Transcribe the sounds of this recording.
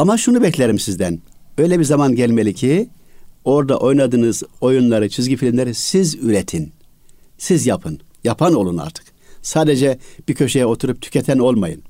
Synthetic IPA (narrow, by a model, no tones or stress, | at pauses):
amaʃunubɛclʲeɾimsizd̪ænø̞jlʲɛbiɾzamanɟɛlʲmelʲicʰi | o̞ɾd̪a̰ʔo̞jnad̪ɯːnɯzo̞junlˠaɾɯt͡ʃʰizɟifilʲimlʲeɾisizyɾet̪ʰin | sizjapʰɯn | japʰano̞lˠuna̰ɾt̪ʰɯ̥k | saːd̪ed͡ʒɛb̥icʰø̞ʃejɛo̞t̪ʰuɾup̚t̪ʰy̥cʰɛt̪ʰæno̞lˠmajɯn